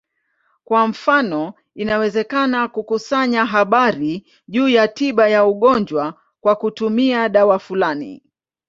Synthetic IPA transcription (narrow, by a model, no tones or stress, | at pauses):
kwam̩fanɔ | inawɛzɛkanakukusaɲaɦaɓaɾi | ʄuːjatiɓajauɠɔɲd͡ʒwa | kwakutumiaɗawafulanḭ